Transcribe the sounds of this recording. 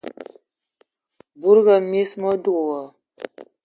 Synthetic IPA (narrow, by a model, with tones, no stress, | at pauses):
bu˦ɾɡa˨me˦smɔ˦du˦kwa˨